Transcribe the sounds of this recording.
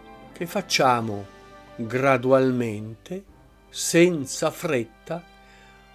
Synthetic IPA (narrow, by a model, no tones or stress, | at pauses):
k̟efːat͡ʃːaːmʊɡɾad̪ualment̪e | sɛnt̪safɾet̪ːa